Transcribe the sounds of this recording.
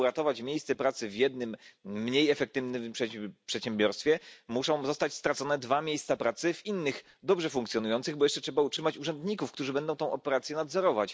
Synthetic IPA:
uɾat̪ɔvat͡ɕmʲjejst̪sɛpɾat̪sɘvʲjɛd̪̚nɘmːɲejɛfɛk̚t̪ɘvnʂpʂɛɕɛmbʲjɔɾst̪fʲjɛmuʂɔ̃w̃zɔst̪at͡ɕst̪ɾat̪sɔnɛd̪vamʲjejst̪sapɾat̪sɘvinːɘx | d̪ɔbʐɛfuŋkt̪sʲjɔnujɔnt̪sɘɣbɔjɛʂt͡ʂɛtʂɛbautʂɘmat͡ɕuʐɛnd̪ɲikufkt̪uʐɘbɛnd̪ɔw̃t̪ɔ̃w̃ʔɔpɛɾat̪sʲjɛnad̪zɔɾɔvat͡ɕ

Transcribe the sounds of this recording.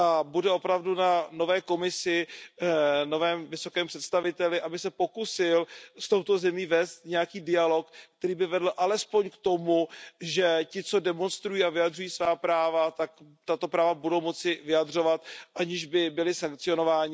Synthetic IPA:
ʔabudɛo̞pɾavdunano̞vɛːko̞mɪsɪ | no̞vɛːmvɪso̞kɛːmpr̥ɛt̪st̪avɪt̪ɛlɪʔabɪsɛpo̞kusɪlst̪o̞wt̪o̞zɛmiːvɛːst̪ɲɛjakiːdɪjalo̞kkt̪ɛɾiːbɪvɛdl̩ʔalɛspo̞ɲkt̪o̞muʒɛcɪt͡so̞dɛmo̞nst̪ɾujiːavɪjadrujiːsvaːpɾaːvat̪ak | t̪at̪o̞pɾaːvabudo̞wmo̞t͡sɪvɪjadr̝o̞vat̪ʔaɲɪʒbɪbɪlɪsaŋk̚t͡sɪo̞no̞vaːɲɪ

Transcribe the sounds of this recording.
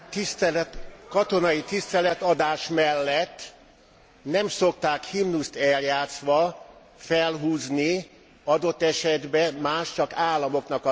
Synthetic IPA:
t̪ist̪kɒt̪o̞nɒjit̪ist̪ɛlɛt̪ɒd̪aːʃmɛlːɛt̪ː | nɛmso̞kt̪aːkhimnust̪ɛljaːt̪sʋɒ | fɛlɦuːzni | ɒd̪o̞t̪ːɛʃɛd̪bɛmaːʃt͡ʃɒkaːlːɒmo̞knɒk

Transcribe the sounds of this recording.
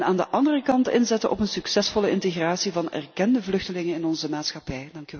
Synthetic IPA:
naːndəʔɑndərəkɑntɪnzɛtəʔɔ̰pənsɵksɛsfɔləɪnteɣraːsivɑnɛ̰rkɛndəvlɵxtəlɪŋənɪnɔnzəmaːtsxɑpɛjdɑŋky

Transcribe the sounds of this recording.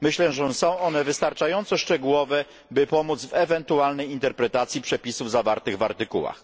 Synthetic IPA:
mɘɕlɛʐɛsɔ̃w̃ʔɔnɛvɘst̪aɾt͡ʂajɔnt̪sɔʂt͡ʂɛɡuwɔvɛ | bɘpɔmud̪zvɛvɛnt̪ualnɛjint̪ɛɾpɾɛt̪at̪sʲjipʂɛpʲisuvzavaɾt̪ɘɣvaɾt̪ɘkuwa̰x

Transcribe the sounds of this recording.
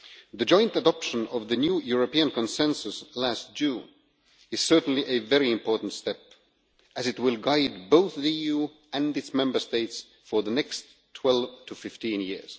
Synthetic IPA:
ðɨd͡ʒɔ̃ɪ̃ntədɑpʃə̃nʌvðɨnjujuɹəpiɨ̃nkʰə̃nsɛ̃nsəslæst̚ʒ̥ʉ̃ | ɨz̥sɜ˞tn̩liʔɨvɛɹiɪ̃mpʰɔɹʔn̩tstɛp̚ | ʔɨzɨt̚wɪlˠɡaɪd̚boʊθðiiju | ɨ̃nɨtsmɛ̃mbə˞steɪts | fə˞ðənɛkstʰw̥ɛlˠvtʰəfɪftĩnjɪ̰ɹz̥

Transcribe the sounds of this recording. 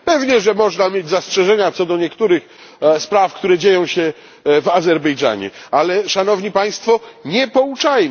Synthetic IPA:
pɛvɲɛʐɛmɔʐnamjed͡ʑzastʂɛʐɛɲat̪sɔd̪ɔɲɛkt̪uɾɘx | spɾafkt̪uɾɛd͡ʑejɔ̃w̃ɕɛ | vazɛɾbɛjd͡ʐa̰ɲɛ̰alɛʂanɔvɲipaj̃st̪fɔɲɛpɔut͡ʂajm

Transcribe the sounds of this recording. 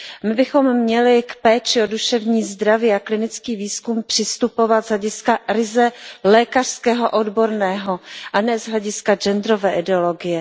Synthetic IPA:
mɪbɪxo̞mːɲɛlɪkpɛːt͡ʃɪoduʃɛvɲiːzd̪ɾaviːaklɪnɪt͡skiːviːskumpr̥ɪst̪upo̞vat̪z̥ɦlɛɟɪskaɾɪzɛlɛːkar̝̥skɛːɦo̞ʔodbo̞ɾnɛːɦo̞ʔanɛːzɦlɛɟɪskad͡ʒɛnd̪ɾovɛːʔɪdɛolo̞ɡɪjɛ

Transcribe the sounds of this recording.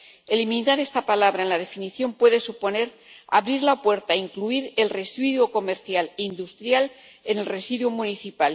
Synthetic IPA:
elimĩnaɾe̞st̪apalaβɾaenlaðe̞finiθjo̞mpwe̞ðe̞supo̞ne̞ɾ | a̰βɾiɾlapwe̞ɾt̪aiŋkluiɾe̞lre̞swiðwuko̞meɾθjalind̪ust̪ɾjal | e̞ne̞lre̞siðwumũniθipal

